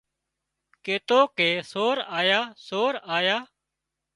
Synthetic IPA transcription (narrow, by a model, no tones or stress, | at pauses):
keːt̪oːkeːsoːɾaːjaːsoːɾaːjaː